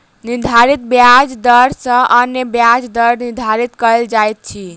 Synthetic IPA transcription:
niɾd̪ʱaɾit̪̚bjad͡ʒd̪əɾsə̃ʔənjəbjad͡ʒd̪əɾniɾd̪ʱaɾit̪kəld͡ʒajt̪̚t͡ʃʰi

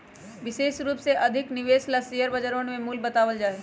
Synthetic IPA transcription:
ʋɪʃeːʃɾuːpseʔɐd̪ʱɪknɪʋeːslasijəɾbɐd͡ʒəɾõːnmẽmuːlbɐt̪aːʋəld͡ʒaːeː

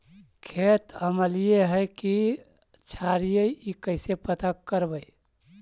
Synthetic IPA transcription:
kʰet̪əməlijeɦɛki | t͡ʃʰaɾijəiikəɪsepət̪akəɾbəi

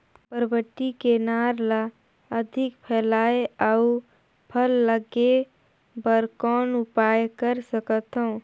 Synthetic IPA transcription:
pəɾəbət̪ikenaːɾla | əd̪ʱɪkpʰɛːlaːeau | pʰəlːəɡe | bəɾkɔːnʊpaːjkəɾsəkət̪ɦõː

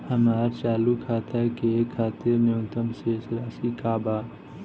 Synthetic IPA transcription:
hɐmaːɾt͡ʃaːlukʰaːt̪akekʰaːt̪iɾnjõːnt̪əmsesɾaːsikaːbaː

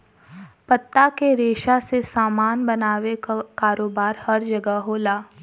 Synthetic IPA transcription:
pɐt̪ːakeɾeːʃasesaːmaːnbɐnaːʋekaːɾoːbaːɾhɐɾd͡ʒɐɡəɦoːlaː

